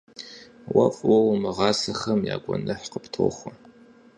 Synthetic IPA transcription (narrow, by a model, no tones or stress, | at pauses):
wɐfʼwɐwmɨʁɑːsɐxɐmja̰ːɡʷʼɔnɨħqəptʰoːχʷɐ